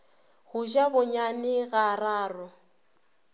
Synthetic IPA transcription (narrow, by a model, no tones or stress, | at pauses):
hʊʒabʊɲanɪɣaraːrʊ